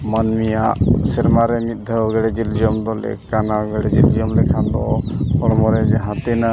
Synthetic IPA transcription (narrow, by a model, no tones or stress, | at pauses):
manmijaʔsɛɾmaɾɛnit̪̚d̪ʱəɡɛɽɛd͡ʒild͡ʒɔmd̪ɔlɛ̰kanaɡɛɽɛd͡ʒild͡ʒɔmlɛkʰand̪ɔɔɽɔmɔɾɛd͡ʒɛɦãt̪ina